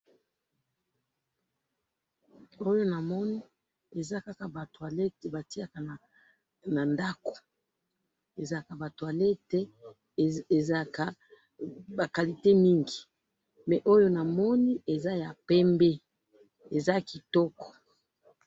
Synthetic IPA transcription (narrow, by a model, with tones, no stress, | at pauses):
o˦jo˦na˨mɔ˦ni˦ | e˨za˦ka˦ka˨ba˨twa˨lɛ˦tba˨ti˦a˨ka˨na˨ | na˨nda˦ko̥˨ | e˨za˦ka˨ba˨twa˨lɛ˦tɛ˦˨ | za˦ka˨ | ba˨ka˨li˨te˦mi˦ŋɡi˨ | mɛ˨ʔo˦jo˦na˨mɔ˦ni˦e˨za˦ja˨pɛ˦mbe˦ | e˨za˦ki˨tɔ˦kɔ̥˨